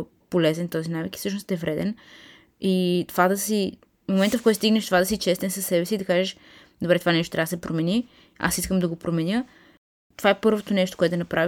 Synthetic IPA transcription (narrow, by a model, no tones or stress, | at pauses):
polɛzɛnt̪ɔzinaviki̥sɤʃnost̪ɛvɾɛd̪ɛn | it̪ovad̪ɐsi | momɛnt̪əfkɔjt̪st̪iɡnɛʃt̪ovad̪ɐsit͡ʃɛst̪ɛnsɐsːɛbɛsiːd̪ɐkaʒɛʃ | d̪obɾɛt̪ovanɛʃt̪ot̪ɾʲavd̪sɛpɾomɛni | a̰siskəmd̪ɐɡopɾomɛnjə | t̪ovaɛpɤɾvot̪onɛʃt̪o̥koɛt̪d̪ɐnɐpɾʔavi